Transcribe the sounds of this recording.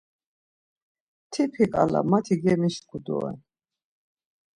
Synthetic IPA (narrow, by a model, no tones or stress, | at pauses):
t̪ʰipʰikʼala̰mat̪ʰiɡɛmiʃkʰud̪ɔ̰ɛ̰n